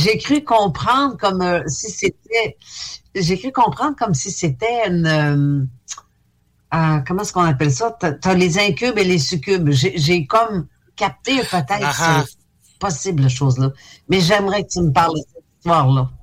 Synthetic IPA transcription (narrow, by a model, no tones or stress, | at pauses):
ʒekʁykɔ̃pχɑ̃d̪ʁkɔmøsiset̪̚ɛ | ʒekʁykɔ̃pχɑ̃d̪ʁkɔmsiset̪ɛynøm | akɔmɑ̃ɛskɔ̃napɛlsʌt̪at̪alezɛ̃kʲybelesykʲybʒeʒekɔm | kʲap̚t̪epət̪ɛjt̪sə | pɔsiblʃoːzlʌmɛʒɛmʁɛkət̪yməpaʁlsɛt̪ist̪waːʁlʌ